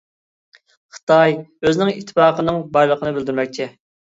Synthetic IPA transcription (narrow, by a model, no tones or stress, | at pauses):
χə̥t̪ʰɑjøznɪŋit̪ʰːpɑːqənɨŋbɑjlˠəqʰənɨbɪld̪yɾmɛk̚ʲt͡ʃʰɪ